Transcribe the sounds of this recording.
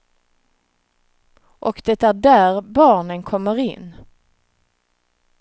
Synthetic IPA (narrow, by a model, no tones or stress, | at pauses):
ʔɔkd̪ɛt̪æɖæɾbɑːɳənkʰɔmːəɾɪ̰nː